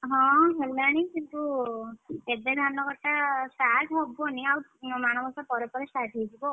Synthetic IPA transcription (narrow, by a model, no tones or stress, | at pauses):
ɦɔ̃ɦeunaɽ̃ikint̪u | eded̪ʱanːɔkɔʈːasaʈʰɦɔbɔniawmaɽ̃ɔmɔsapɔɾepɔɾesaʈʰejd͡ʒibɔ